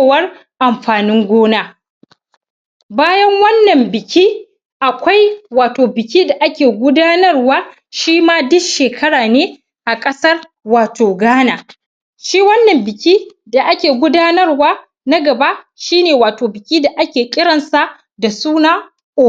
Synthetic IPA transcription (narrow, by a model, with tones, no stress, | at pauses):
wɐ˦r | ʔa˨mɸaː˨nɪ˦ŋɡʷoː˦naː˦ | baː˦jɐ˦ŋwɐ˦nːɐ˨mbɪ˨kʲʰi˦ | ʔa˨kʷa˦jwaː˨toː˨bɪ˨kʲiː˦da˨ʔa˦kʲeː˨ɡʷʊ˦daː˦nɐ˦rwaː˦ | ʃiː˦maː˦dʊ˦kʃeː˨kʰɐ˦ɽaː˨neː˦ | ʔa˨kʼɐ˦sɐ˦r | waː˨toː˨ɡaː˦naː˨ | ʃiː˦wɐ˦nːɐ˨mbɪ˨kʲiː˦ | da˨ʔa˦kʲeː˨ɡʷʊ˦daː˦nɐ˦rwaː˦ | na˦ɡɐ˨ba˦ʃiː˦neː˨waː˨toː˨bɪ˨kʲiː˦da˨ʔa˦kʲeː˨kʲʼɪ˦ɽɐ˨nsa˨ | da˨suː˦naː˦ | ʔoː˦